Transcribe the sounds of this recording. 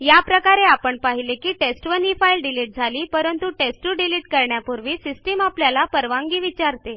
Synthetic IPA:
japɾəkaɾeapəɳpaɦilekiːʈesʈʋənifailɖiliʈ̚d͡zʱaliːpəɾənt̪uʈesʈuɖiliːʈkəɾɳjapuɾʋiːsisʈemapljalapəɾʋãŋɡiːʋit͡ɕaɾt̪e

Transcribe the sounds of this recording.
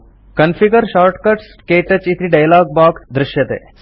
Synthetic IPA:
kɐnfʰiɡəɾʃaːɾʈkɐʈs | keːʈət͡ʃit̪ɾiɖɐjlaːɡ̚baːkd̪ɾɪʃjɐt̪ḛː

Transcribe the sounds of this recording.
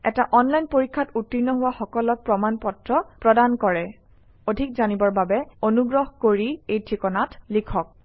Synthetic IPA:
ɛtaʔɔnlajnpoɹikʰːatutːinɔɦʊwaxɔkɔlɔt̚pɹɔmanpɔtɹɔpɹɔdankɔɹɛ | odʱik̚zanibɔɹbabɛonuɡɹɔɦkoɹiejtʰɹikɔnatlikʰɔk̚

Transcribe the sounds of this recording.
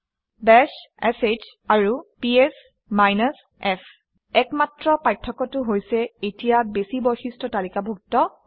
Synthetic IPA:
bɛs | ɛset͡ʃ | aɹupies | majnas | ɛpʰ | ɛkmatɹɔpajtʰːɔkɔtʊɦojsɛetijabesibɔjxistɔtalikabʱuk̚tɔ

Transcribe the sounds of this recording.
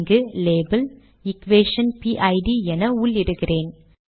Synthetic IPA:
ŋɡɯleːbɐl | ɪkʋeːʂɐnpiːʔɐɪɖiɛnɐuɭɪɽɯkːɪreːn

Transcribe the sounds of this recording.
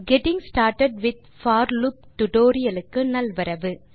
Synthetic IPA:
ɡɛʈɪ̃ŋsʈaːɾʈɐɖʋɪd̪̚faːɾlup̚ʈʊʈoːɾɪjɐlɯkːɯnɐlʋɐɾɐʋɯ

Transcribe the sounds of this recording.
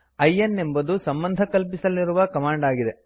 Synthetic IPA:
ɐjːɐnːe̞mbɐd̪usɐmbɐnd̪ʱɐkɐlpisɐlːiɾuʋɐkɐmaːɳɖaːɡid̪e̞

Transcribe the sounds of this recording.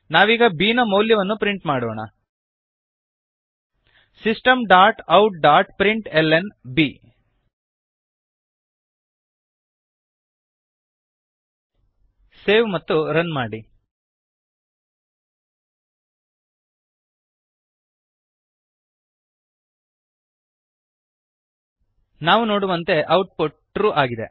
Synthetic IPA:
naːʋiːɡɐbiːnɐmɐːljɐʋɐnːupɾiɳʈmaːɽoːɳɐ̰ | sisʈɐmɖaːɾʈɐwʈ̚ɖaːɾʈpɾiɳʈelenbi | seːʋmɐt̪ːuɾɐnmaːɽi | naːʋuno̞ːɽuʋɐnt̪e̞ʔɐwʈ̚puʈː | ʈɾuːʔaːɡid̪e̞̰

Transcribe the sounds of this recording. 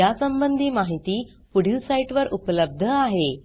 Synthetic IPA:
jasəmbənd̪ʱiːmaɦit̪iː | puɽ̤jusaiʈʋəɾʔupləb̚d̪ʱəaɦe

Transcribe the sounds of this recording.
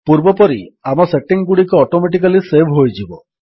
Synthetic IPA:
puɾbɔpɔɾiamɔseʈiŋɡuɽikɔɔʈomeʈ̬ik̬alisebʱɦojd͡ʒibɔ

